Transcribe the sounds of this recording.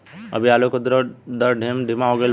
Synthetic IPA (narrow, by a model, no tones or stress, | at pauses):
ɐ̰bʱiaːlokod̪ɾd̪ɐɾɖʱeːmɖʱɪmaɦoɡəel